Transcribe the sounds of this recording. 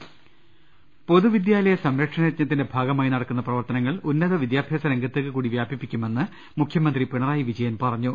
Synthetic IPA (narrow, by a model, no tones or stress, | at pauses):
po̞ðuʋid̪jaːlɐjɐsɐmɾɐkʂɐnɐɐt̪̚ɲɐt̪ːinde̞bʱaːɡɐmaːjinɐɽɐkːunːɐprɐʋɐrt̪ɐnɐŋːɐɭunːɐðɐʋid̪jaːbʱjɐːsɐɾeŋɡʱɐt̪ːekːɨkuːɽiʋjaːbʱipːikʲːume̞nːɨ | mukʰjɐmɐnd̪ripiɳɐraːjiʋid͡ʑɐjɐnpɐrɐɲːu